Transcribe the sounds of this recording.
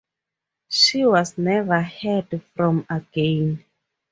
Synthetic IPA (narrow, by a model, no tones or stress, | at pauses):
ʃiwɔznɛvə˞hɛdfɹɔ̃məɡ̥ẽn